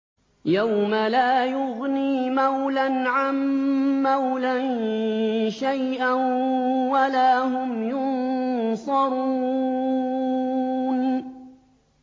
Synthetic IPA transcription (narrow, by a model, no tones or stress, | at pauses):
jawmalaːjʊɣniːmawlanʕamːawlan | ʃajʔan | walaːɦʊmjʊnsˤɑɾˤu | n